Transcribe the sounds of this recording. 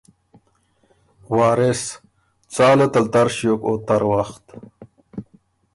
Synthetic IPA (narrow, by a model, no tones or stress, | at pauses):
waːɾes | t͡saːlat̪alt̪aɾɕjokot̪aɾwaxt̪